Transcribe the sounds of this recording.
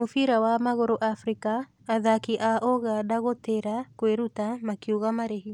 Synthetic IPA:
ofiɾawamaɣoɾoʔafɾikaː | ðakiʔaʔɔɣadaɣoteɾakweɾutamakiuɣamaɾeɦi

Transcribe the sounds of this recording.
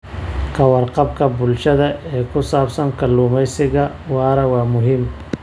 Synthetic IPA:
kʰɐwɑrqɑbkʰɐbʊlʃɐðɐɛːkʰʊsaːbsɐŋkʰɐluːmɛjsɪɣɐ | wɑːɾɐwɑːmʊɦɪm

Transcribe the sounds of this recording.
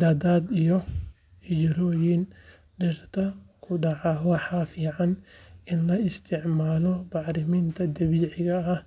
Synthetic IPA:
d̪aːd̪aːd̪ijɔ | hɪd͡ʒɾɔːjɪn | ɖɛrt̪ʰɐkʰʊɖɑʕɑwɑħɑːfiːʕɑnɪnlɐɪst̪ʰɪʕmaːlɔbɑħɾɪmiːnt̪ʰɐd̪ɐβiːʕɪɣɐɐ

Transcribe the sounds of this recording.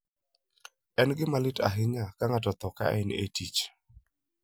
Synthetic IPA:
ɛnɡɪmalɪta̰ɦɪɲakaŋatɔt̪ɔka̰ʔɛnḛtit͡ʃ

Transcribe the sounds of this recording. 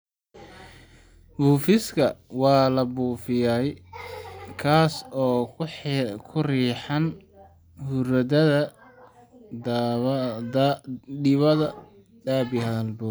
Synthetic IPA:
buːfɪskʰɐwɑːlɐbuːfɪjaːj | kʰaːsɔː | kʰʊriːħɐn | hʊɾɐdɐðɐ | d̪aɖɪβɐðɐ | d̪aːbɪhɐðɐlbɔː

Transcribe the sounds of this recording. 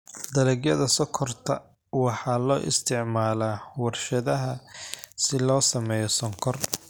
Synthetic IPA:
d̪ɐlɛɡjɐðɐsɔkʰɔrt̪ʰɐ | wɑħɑːlɔːʔɪ̰st̪ʰɪʕmaːlaːwɐrʃɐðɐɦɐsɪlɔːsɐmɛːjɔsɔŋkʰɔr

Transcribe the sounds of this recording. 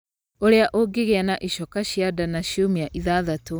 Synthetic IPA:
oɾeaʔoɡeɣeanaʔiʃɔkaɕjadanaɕjomiaʔiðaðato

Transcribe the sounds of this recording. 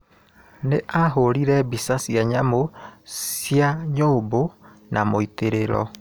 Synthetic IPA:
neʔaɦoɾiɾɛbisasiaɲamosiaɲoːbo | nʔamoiteɾeɾɔ̰

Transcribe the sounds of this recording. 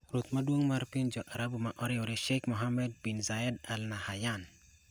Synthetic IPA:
ɾut̪maduoŋmaɾpind͡ʒoʔaɾabumaʔoɾeoɾeʃekmoɦamed̚binzaedalnahajan

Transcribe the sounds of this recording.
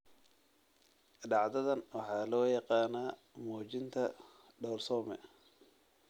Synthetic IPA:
ɖɑʕd̪ɐðɐnwɑħɑːlɔːjɑqɑːnaː | mɔːt͡ʃɪnt̪ʰɐ | ɖɔːrsɔːmɛ̰

